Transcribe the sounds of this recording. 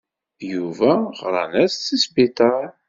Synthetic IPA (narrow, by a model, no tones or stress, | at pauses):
juvæʁɾˤɑ̰næst͡sːisbit̪ˤɑ